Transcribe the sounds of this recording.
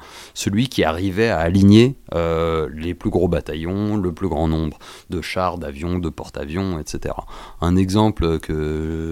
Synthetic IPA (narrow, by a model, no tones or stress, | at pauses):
səlɥikʲiaʁivɛaːliɲeøleplyɡʁobat̪ajɔ̃ləplyɡʁɑ̃nɔ̃bʁ | d̪əʃaʁd̪avjɔ̃d̪əpɔʁt̪a̰vjɔ̃ɛt̪set̪ḛʁa̰ɛ̃nɛɡzɑ̃plkʰə